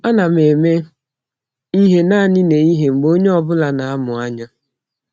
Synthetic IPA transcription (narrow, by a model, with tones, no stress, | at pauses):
a˦na˨m˨e˨me˦ | i˦ɦe˦na˦˨nɪ˦ne˨i˦ɦe˨ŋ͡m̩˨ɡ͡bo˦ɲe˦ɔ˦bʊ˦la˨na˨a˦mʊ˨a˦ɲa˦